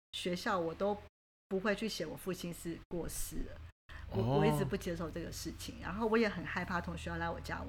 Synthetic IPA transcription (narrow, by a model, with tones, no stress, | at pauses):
ɕɥɛ˧˥ɕjɑ˥˩ʊwɔ˨˩t̪o˥ʊ | pu˧˥xwe˥˧ɪt͡ɕʰy˥˩ɕjɛ˨˧˥wɔ˨˩fu˥˩t͡ɕʰi˥nʂɻ̩˥˧kwɔ˥˩ʂɹ̩˥ə˩ɔ˨˦wɔ˨˧i˥˩t͡sɻ̩˨˩pu˥˩t͡ɕjɛ˥ʂo˥˧ʊʈ͡ʂɤ˥˩ɡə˩ʂɻ̩˥˩t͡ɕʰi˩ŋɻa̰˧˥nxo˥˩ʊwɔ˧˥jɛ˨˥xə˨˩nxa˥˧ɪpʰa˥˩t̪ʰʊ˧˥ŋɕy˧˥jla˧˥ɪwɔ˨˩t͡ɕja̰˥˩